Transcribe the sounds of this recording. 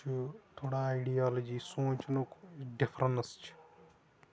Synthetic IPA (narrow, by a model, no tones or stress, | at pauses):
ut̪ʰoːɽaːiɖijaːlod͡ʒiːsõːt͡ʃnukɖɪpʰɾɐnst͡ʃʰi̥